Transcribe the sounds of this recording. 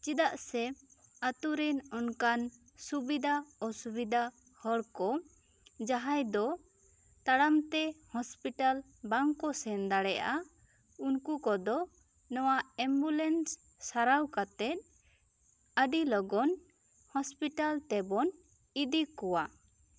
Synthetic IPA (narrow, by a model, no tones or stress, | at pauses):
t͡ʃid̪aʔsɛat̪uɾinɔnkan | subid̪aɔsubid̪a | hɔɽkɔ | d͡ʒaɦajd̪ɔ | t̪aɽamt̪ɛhɔspiʈal | baŋkɔsɛnd̪aɽɛʔa | unkukɔd̪ɔ | nɔwaɛmbulɛnsː | aɾawkat̪ɛt̪̚ | əɖilɔɡɔn | hɔspiʈalt̪ɛbɔn | id̪ikɔwa